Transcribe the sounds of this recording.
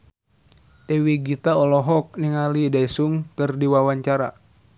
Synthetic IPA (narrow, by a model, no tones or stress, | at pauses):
ʔewiɡit̪aɔlɔɦɔk̚niŋalidaisuŋkɨrdiwawaɲt͡ʃaɾa̰